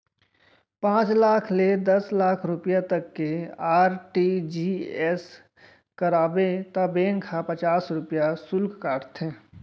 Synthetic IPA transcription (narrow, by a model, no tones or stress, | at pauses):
pãːt͡ʃlaːkʰled̪ɐslaːkʰɾʊpjat̪ɐkːeaːɾʈiːd͡ʒiːɛs | kəɾaːbet̪abeːnkʰapɐt͡ʃaːsɾʊpjasʊlkkaːʈʰt̪ʰɦẽː